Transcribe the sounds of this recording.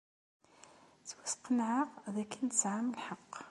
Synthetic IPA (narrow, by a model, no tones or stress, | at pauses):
θwæsqənʕɑʁðækːənt̪əsʕamlħɑqː